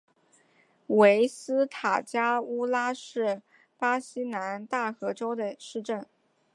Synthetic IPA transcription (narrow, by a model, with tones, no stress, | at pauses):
we˧˥ɪsɹ̩˥t̪ʰa˨˩t͡ɕja˥u˥la˥ʂɻ̩˥˩ | pa˥ɕi˥na˧˥nt̪a˥˩xɤ˧˥ʈ͡ʂo˥ʊd̪ə˨ʂɻ̩˥˧ʈ͡ʂə˥˩n